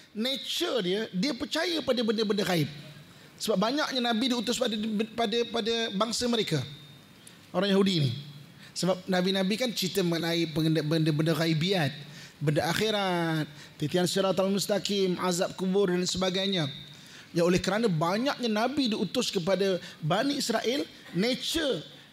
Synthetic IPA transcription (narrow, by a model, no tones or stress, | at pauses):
net͡ʃərdiədiəpərt͡ʃajəpadəbəndəbəndəɣaɪp̚ | səbap̚baɲak̚ɲanãbidiut̪ʊspadpadəpadəbaŋsəməɾeka | ʔoɾaŋjahudini | səbap̚nãbinãbikant͡ʃit̪əməlaipəŋəndəbəndəbəndəɣaibiat̪̚bəndaʔaxeɾat̪̚ːit̪iansiɾat̪almust̪akɪmazap̚kubʊrdansəbaɡajɲa | jaolɛhkəɾanəbaɲak̚ɲanabidiut̪ʊskəp̬adabaniisɾaʔɪl | net͡ʃə